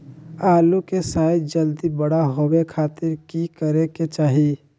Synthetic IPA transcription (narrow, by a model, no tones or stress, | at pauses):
aːlukesaːɪd͡ʒəld̪ibəɽaɦowekʰaːt̪ɪɾkikəɾeket͡ʃaːɦi